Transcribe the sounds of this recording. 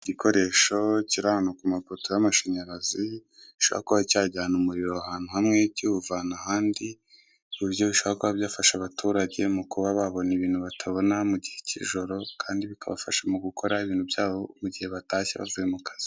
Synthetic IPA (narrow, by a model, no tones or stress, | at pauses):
ɟiko̞ɾe̞ːʃo̞ciɾanokumapotojamaʃaɲaɾazi | iʃoβa̰koβacaːɟaːnumuɾiɾoahaːn̥huhamŋe̞cuvanahaːndi | iβjo̞βiʃoβakoβaβjaːfaʃaβatuːɾaɟe̞mukuβaβaβo̞niβiːn̥huβatʰaβo̞namuɟihe̞cḭʒo̞ɾo̞kʰaːndiβikʰaβa̰faʃamuɡukʰo̞ɾaiβiːn̥hubjaːβo̞muɟihe̞βataːçḛβa̰vuje̞mukḁz̥i̥